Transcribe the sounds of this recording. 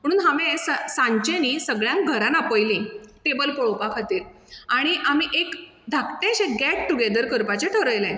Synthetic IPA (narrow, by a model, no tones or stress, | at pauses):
m̤əɽũːnɦamẽsəsãɲt͡ɕeniːsəɡɭjãŋk̚ɡʱəɾãnapəjlĩʈebəlpəɭopakʰat̪iːɾ | aɽ̃iʔamiʔek | d̪ʱakt̪eɕek̚ɡæʈ̚ʈuɡed̪əɾkəɾpat͡ɕeʈʰəɾəjlẽ